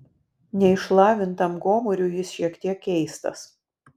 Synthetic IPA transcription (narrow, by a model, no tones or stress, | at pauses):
nʲɛɪʃlˠɑːʋʲɪnt̪ɐmɡoːmʊɾʲuːjɪsʃʲiɛkt̪ʲiɛkʲːɛɪst̪ɐ̰s